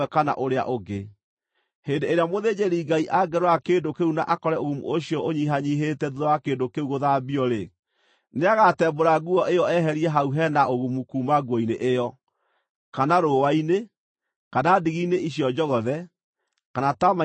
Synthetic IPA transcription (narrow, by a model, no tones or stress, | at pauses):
ɛkana̰ʔoɾea̰ʔoɡe | heːndeeɾeamoðeːd͡ʑeɾiːɡaiʔaɡɛɾwakeːndokeuna̰ʔakɔɾɛoɣumṵoɕiɔʔoɲiɦaɲiɦetɛðuðɔwakeːndokeuɣoðabiɔɾe | neaɣatɛːboɾaɣuɔʔejɔɛɦɛɾiɛɦauɦɛnaʔoɣumukuːmaɡwɔineʔejɔ | kanaɾowaine | kanadiɣineʔiɕjɔd͡ʒɔɣɔðɛ | kanatama